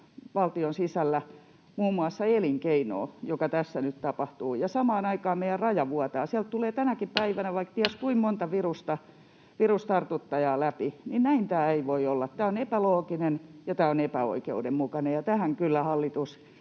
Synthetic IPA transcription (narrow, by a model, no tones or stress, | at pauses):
ʋɑlt̪ionsisælːæ | muːmːuɑsːɑeliŋkeino̰ːjokɑt̪æsːænyt̪t̪ɑpɑht̪uːjɑsɑmɑːnɑikɑːmmeijærrɑjɑʋuɑt̪ɑːsiælt̪̚t̪uleːt̪ænækippæiʋænæʋɑikt̪iæskuimmont̪ɑʋirust̪ɑ | ʋirust̪ɑrt̪ut̪ːɑjɑːlæpininnæint̪æːeiʋoiolːɑt̪t̪æːonepæloːkinenjɑt̪æːonepæo̰ikḛudemmukɑnejɑt̪æhæŋkylːæhɑlːit̪us